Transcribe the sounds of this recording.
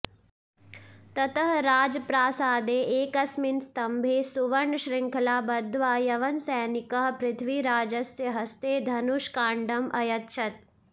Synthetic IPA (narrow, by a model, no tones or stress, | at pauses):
t̪ɐt̪əɦɾaːd͡ʒpɾaːsaːd̪eːʔeːkɐsminst̪ɐmbʱeːsuʋɐɳʃɾɪŋkʰɐlaːbɐd̪ʋaːjɐʋɐnsɛːnɪkəɦpɾɪt̪ʰʋiːɾaːd͡ʒɐsjəɦɐst̪eːd̪ʱɐnuʃkaːɳɖɐmʔɐjɐt̪ʃʰɐt̪̚